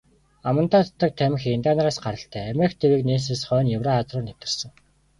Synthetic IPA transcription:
amə̆nt̪aːt̪ʰt̪ə̆k̚t̪ʰæm̆ʲxent̪aːnaɾaːsɢaɾə̆ɬt̪ʰæːæmʲext̪ʰewiːkneːs̬eːsχœːnjʊwraːt͡srʊːnew̥ʲt̪ə̆rsə̆ŋ

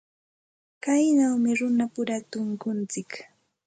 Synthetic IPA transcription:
kajnawmɪɾʊnapʊɾat̪ʊŋkʊnt͡sɪk

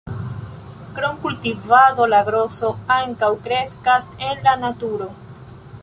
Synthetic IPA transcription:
kɾo̞ŋkultivado̞laɡɾo̞so̞aŋkawkɾe̞skase̞nlanatuɾo̞

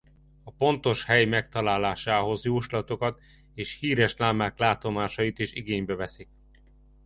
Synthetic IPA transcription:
ɒpo̞n̪t̪o̞ʃhɛjmɛkt̪ɒlaːlaːʃaːɦo̞zjoːʃlɒt̪o̞kɒt̪ | eːʃhiːɾɛʃlaːmaːklaːt̪o̞maːʃɒjit̪eːʃiɡeːɲbɛvɛsik̚

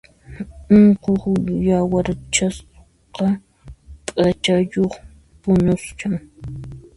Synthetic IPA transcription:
ʊɴqoχjawaɾt͡ʃas | qɑ | pʼat͡ʃajoχ | pʊnʊst͡ʃaŋ

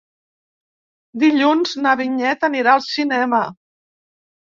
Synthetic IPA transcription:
d̪iʎunznəβiɲɛt̪əniɾaəlˠsinɛmə

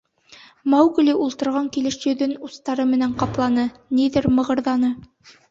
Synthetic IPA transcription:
mɑwɡ̆lʲiʔulˠt̪ɤ̆ɾʁɑŋkilɘʃjɵ̆ðɵnust̪ɑɾɤmɘ̆næɴqɑplˠɑnɤniðɘɾmɤ̆ʁɤ̆ɾðɑnɤ

